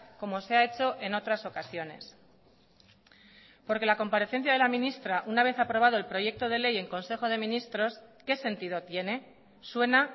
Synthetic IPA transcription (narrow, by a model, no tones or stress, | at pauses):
ko̞mo̞seae̞t͡ʃo̞ʔe̞no̞t̪ɾaso̞kasjo̞ne̞s | po̞ɾke̞lako̞mpaɾe̞θe̞n̟θjað̞e̞lamĩnist̪ɾaʔunaβ̞e̞θapɾo̞β̞að̞o̞e̞lpɾo̞ʝe̞k̚t̪o̞ð̞e̞le̞je̞ŋko̞nse̞xo̞ð̞e̞mĩnist̪ɾo̞ske̞se̞nt̪iðo̞t̪je̞ne̞ | swe̞na